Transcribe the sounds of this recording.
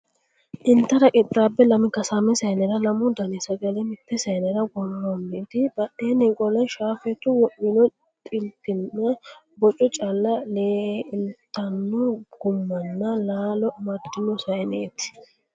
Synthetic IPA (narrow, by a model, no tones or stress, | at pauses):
ʔɪnt̪ːɐɾɐkʼɪt̪ʼɾaːbːɛlɐmɪkɐsaːmɛsɐjnɛɾɐlɐmʊd̪ɐnɛsɐɡɐlɛmɪpːɛsɐjnɛɾɐɡɔlːɔnːeːt̪ɪbɐɗeːnekʼɔlɐnʃaːfɛt̪ːʊwɔʔɪnɔ | t̪ʼɪlt̪ːɪnːɐ | bɔt͡ʃʼːɔt͡ʃʼɐlːɐleːɪnt̪ːɐnːɔɡ̥ʊmːɐnːɐlaːlɔmɐd̪ːɪnɔsɐjneːt̪ɪ̥